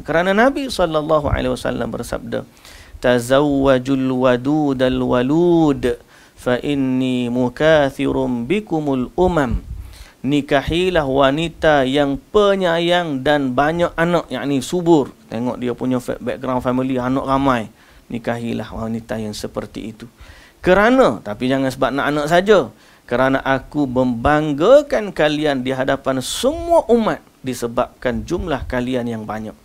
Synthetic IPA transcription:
kəɾananabisɔlːalːaɦua̰lewasa̰lːa̰mbə̰rsa̰b̚da̰ | t̪azawwːad͡ʒulwaduːdalwalud | faʔinːimukaθiɾʊnbikʊmalʔumam | nikahilahwanit̪ajaŋpəɲajaŋdanbaɲaʔanaʔja̰ʔnisubʊrt̪eŋɔʔdiapuɲafbɛk̚ɡɾawnfamilianɔʔramãj | nikaɦilahwanit̪ajaŋsəpərt̪ḭːt̪u | kəɾanə̃t̪apid͡ʒaŋansəbap̚naʔanaʔsad͡ʒa | kəɾanaʔakuməmbaŋɡakankaliandiɦadapansəmuaʔumat̪̚disəbap̚kand͡ʒumlahkalianjaŋbaɲaʔ̚

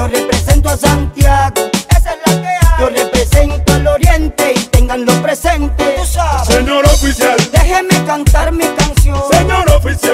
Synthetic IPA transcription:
orepɾesent̪oasant̪jaɡoeselakeajorepɾesent̪oeloɾjent̪eit̪eŋɡanlospɾesent̪easeɲoɾofisjald̪exemekant̪aɾmikansjõseɲoɾofisa

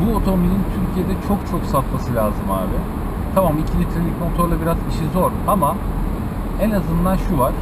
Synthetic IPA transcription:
buot̪ʰominʲint̪ʰyɾcʰije̞d̪ɛt͡ʃʰokt͡ʃʰo̞ksat̪masɯlʲaːzɯma̰ːbi | t̪ʰamamicʰilʲit̪ʰɾelʲicmo̞t̪ʰo̞ɾlˠabiɾaziʃizo̞ɾama | ɛnazɯnd̪anʃuvaɾ̥

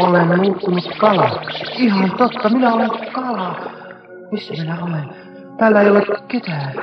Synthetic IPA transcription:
olennuːt̪ːunukkɑlɑihɑnt̪ot̪ːɑminæolekɑlɑ | misːæminæolen | t̪æːlːæeiolet̪ket̪æː

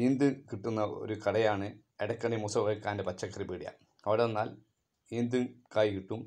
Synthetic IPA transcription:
iːnd̪ɨkiʈːunːɐo̰ɾukɐɽɐjaːɳɨ | eɽɐkːɐɳimusɐʋɐɭkːaːndepɐt͡ɕːɐkːɐribiːɽija̰ | ɐʋiɽenːaːl | iːnd̪ɨkaːjikiʈːum

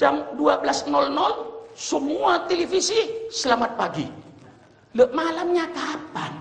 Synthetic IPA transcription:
d͡ʒamduablasnɔlnɔlsəmuat̪elifisisəlamat̪̚paɡi | ləʔmalamɲakapan

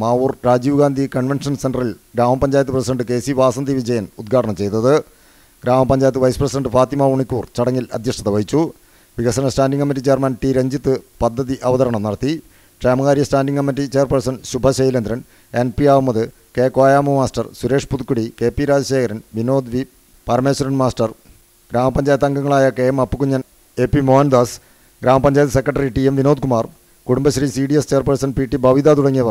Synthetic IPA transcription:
maːurɾaːd͡ʑiːʋɡaːnd̪ʱikɐɳʋenʂɐnsenɖrɐrilɡɾaːmɐmpɐɲd͡ʑaːjɐt̪ːɨprɐsideɳɖɨke̞ːsiʋaːsɐnd̪iʋid͡ʑɐjɐnud̪ɡʰʱaːʈɐɳɐmt͡ɕe̞jt̪ɐðɨ | ɡɾaːmɐmpɐɲd͡ʑaːjɐt̪ːɨʋɐjsɨprɐsidɐɳɖɨfaːt̪imɐuɳikʲːuːrt͡ɕɐɽɐŋːilɐ̰d̪ʱjɐʂʈɐt̪ɐʋɐɦit͡ɕːu | ʋiɡɐsɐnɐsʈaːnɖiŋkɐmːiʈ̬ːit͡ɕe̞ːrmɐnʈiɾɐɲd͡ʑit̪ːɨpɐd̪ʱːɐðiʔɐʋɐðɐɾɐɳɐmnɐɽɐt̪ːi | ʈreːmɐɣaːɾjɐsʈaːnɖiŋkɐmːiʈːit͡ɕe̞ːrpɐrsɐnɕubʱɐɕejilɐnd̪ɾɐn | enpiaːʋumːɐðɨ | keːkaːjaːmumaːsʈɐrsuɾe̞ːʂpud̪ukːuɽike̞ːpːiɾaːd͡ʑɐɕeːkʰɐɾɐnʋino̞ːd̪ʋi | pɐrme̞ːsɐɾɐnmaːsʈɐr | ɡɾaːmɐpɐɲd͡ʑaːjt̪ːɐŋɡɐŋːɐɭaːjɐkeːmɐpːɨkuɲːɐn | epːimoːnd̪aːs | ɡɾaːmɐpɐɲd͡ʑaːjt̪ːɨsekːrɐʈːɐriʈiemʋino̞ːd̪kumaːr | kuɽumbɐɕɐrisiɖijest͡ɕe̞ːrpɐrsɐnpiːʈːibʱɐʋid̪aːt̪uɽɐŋːijɐʋɐ

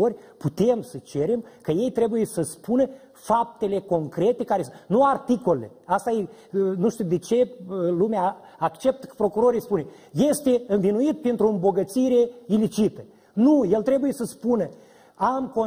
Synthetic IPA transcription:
orʲput̪e̞msət͡ʃe̞ɾe̞mkəje̞jt̪ɾebujesəspunə | fap̚t̪e̞le̞ko̞ŋkɾe̞t̪e̞kaɾesnuart̪iko̞lelḛast̪aje | nuʃt̪ud̪et͡ʃe̞lumeaː | kt͡ʃe̞p̚t̪ə̥kə̥pɾo̞kuɾo̞ɾijspune̞ | je̞st̪e̞ɨnvinuit̪̚pint̪ɾoɨmbo̞ɡət̪siɾe̞ilit͡ʃit̪ə | nuje̞lt̪ɾe̞buje̞səspunə | amko

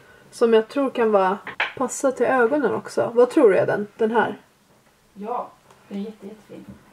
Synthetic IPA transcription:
sɔmjɑːɡ̚t̪ʰɾuːɾkʰanvɑːpʰasːat̪ʰɪløːɡɔnənʔɔ̰ksɔ̰vat̪ʰɾuːɾɛ̰d̪ɛ̰nd̪̥ɛnɦæ̰ːɾ | jɑ | dɛɛːɛːi

